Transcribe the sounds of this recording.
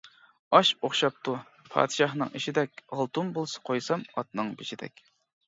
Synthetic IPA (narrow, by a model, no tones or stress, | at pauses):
ɑʃoχʃɑp̚t̪ʰu | pʰɑ̰ːd̪ɨʃɑχnɨ̰ŋeʃid̪ɛkʲʁɑlˠt̪umbolˠsɨ̥qʰojsɑmɑt̪nɨŋbet͡ʃid̪ɛ̰kʲ